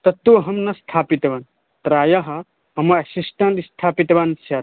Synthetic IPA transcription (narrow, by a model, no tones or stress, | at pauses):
t̪ɐt̪ːuɦɐmnɐst̪ʰaːpit̪ɐʋan | t̪ɾaːjɐɦɐ | ɐmɐɐsisʈɐɳʈist̪ʰaːpit̪ɐʋansɐt